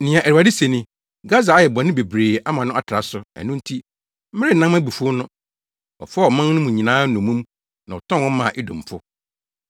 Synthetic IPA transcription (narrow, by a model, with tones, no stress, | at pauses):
nĩ˨ã˨ʔæ˨ɾa˨dɪ˦se˨nĩ˦ | ɡa˦za˨a˨jɛ˨bɔ˨nɪ̃˦be˨bɾeː˨a˦mã˨nʊ̃˦a˦tʰɾa˨sʊ˨˦æ̰˨nʊ̃˦n̩˦tʰi˦ | m̩˦mɪ˦ɾɪ˦˨nã˦mæ˦bi˨fu˦ʊ˦nʊ̃˦ | ɔ̰˨fɔ˦ɔ˨mã˦ŋ˦nʊ̃˦mũ˨ɲĩ˨nãː˦nʊ̃˨mũ˦m | nã˨ɔ˨tʰɔ̃˦nwɔ̃˦mã̰˨ʔɪ˦dʊ̰̃˨m˨pʰʊ˦